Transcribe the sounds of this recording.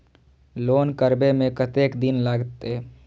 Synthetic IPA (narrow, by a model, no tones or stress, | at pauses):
loːnkəɾbemẽkət̪eːkd̪ɪnlaːɡt̪e